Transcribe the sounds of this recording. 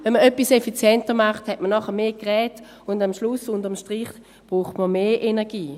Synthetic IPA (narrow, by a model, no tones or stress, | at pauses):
vɛnməœpːisɛfit͡sjɛntəmaχthɛtmənɔχəmeːɡʁɛːt | ʊndamʃlʊsʊndɐmʃtʁiχ | b̥ʁuːχtməmeːʔenɛɐɡiː